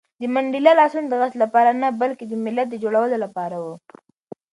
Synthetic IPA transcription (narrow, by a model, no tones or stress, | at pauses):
d̪əmaɳɖilalɑsund̪əɣaslapɑɾanabalked̪əmɪlːat̪̚d̪əd͡ʒoɽawəlolapɑɾawu